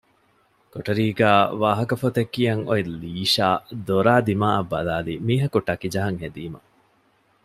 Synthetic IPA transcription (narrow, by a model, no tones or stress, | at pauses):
koʈɐɾiːɡæːʋaːɦɐkɐfot̪ekːijɐŋoiliːʃaːd̪oɾaːd̪imaːʔɐbːɐ̰laːlimiːɦɐkuʈɐkid͡ʒɐɦɐŋhed̪iːmɐ̰